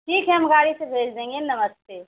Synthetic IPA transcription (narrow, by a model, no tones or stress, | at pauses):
ʈʰiːkɦɛɦɐmɡaːɽisebʱeːd͡ʒd̪ẽːŋɡenɐməst̪eː